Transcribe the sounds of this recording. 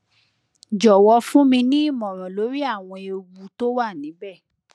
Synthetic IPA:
d͡ʒɔ˨wɔ˧fũ˦mĩ˧nĩ˦˨mɔ̃˨ɾ̃ɔ̃˨lo˨˦ɾi˦a˦˨w̃ɔ̃˧e˨˧o˧ɡu˧to˦wa˦˨nĩ˨˦bɛ˦˨

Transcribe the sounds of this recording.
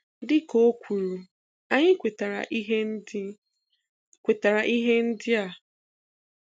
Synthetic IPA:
dɪ˦ko˦kʷu˨ɾu˨ | a˦ɲɪ˦kʷe˨ta˨ɾa̰˨ʔɦe˦ | kʷe˨ta˨ɾa˨ʔi˦ɦe˦n̩˦dɪ˦a˨

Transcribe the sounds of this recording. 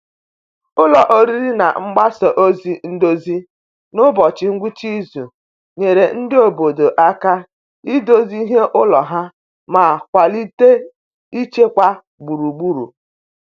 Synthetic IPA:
ʊ˦lɔ˨ʔo˦ɾi˦ɾi˦na̰˨ŋ͡m̩˦ɡ͡ba˦sɔ˨ʔo˦zi˦n̩˦do˦zi˦ | nʊ˦bɔ˨t͡ʃɪ˨ŋ̩˦ɡʷu˦t͡ʃi˦zu˨ | ɲe˨ɾe˨n̩˦dɪ˦o˨bo˨do˨ʔa˦ka˦ | i˦do˦zi˦ɦe˦ʔʊ˦lɔ˨ɦa˦ | ma˨kʷa˨li˦te˦ | i˦t͡ʃe˦kʷa˦ | ɡ͡bu˨ɾu˨ɡ͡bu˦ɾṵ˨

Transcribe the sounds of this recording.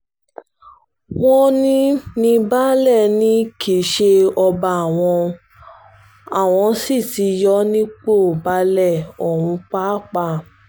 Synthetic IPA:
wɔ̃˦nĩ˦nĩ˦ba˦lɛ˦˨nĩ˦kʰe˨ʃe˧ɔ˧ba˧˨w̃ɔ̃˧ | a˨w̃ɔ̃˧si˦˨ti˧jɔ˦nĩ˦k͡po˦˨ba˧lɛ˦˨ɔ˨wũ˧k͡pa˦k͡pa˦˨

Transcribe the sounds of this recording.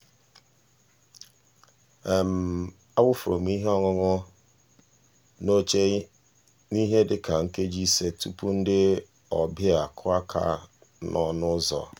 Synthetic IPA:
e˨m̩˨ | a˦bʊ˦fʊ˨ɾo˨m˦i˦ɦe˦ɔ˦ŋʊ˦ŋʊ˦ | no˦t͡ʃe˦ | ni˦ɦe˦dɪ˦ka˨ŋ̩˦ke˦d͡ʒi˦se˦tu˦pu˦n̩˦dɪ˦ | ɔ˨bɪ˦a˨kʰʊ˦a˦kʰa̰˨ | nɔ˦nʊ˦zɔ̰˨

